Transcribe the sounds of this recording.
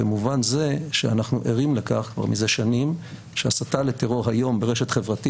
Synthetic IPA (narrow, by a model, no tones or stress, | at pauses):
emuvanze̞ʃeanaχnuʔeʁimle̞ka̰χkva̰ʁmize̞ʃanim | ʃeasatale̞t̪eʁo̞ʁɦajo̞mbeʁeʃet̪χevʁat̪i